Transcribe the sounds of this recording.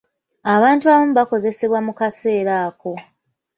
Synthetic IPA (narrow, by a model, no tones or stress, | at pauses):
aβaːntuaβomuβako̞ze̞se̞βwamukase̞ːɾaːko̞